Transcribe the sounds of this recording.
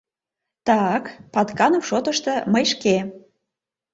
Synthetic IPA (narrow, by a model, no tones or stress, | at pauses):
t̪ɑkpɑt̪kɑnomʃot̪əʃt̪ɤ̆məjʃke